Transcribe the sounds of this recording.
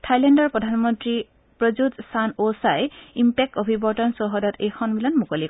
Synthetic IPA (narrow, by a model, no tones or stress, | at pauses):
tʰajlɛndɔɹpɹɔdʱanmɔntɹi | pɹɔzutsanosajimpek̚tɔbʱibɔɹtɔnsɔɦɔdɔtʰejxʰɔnbilɔnmukoli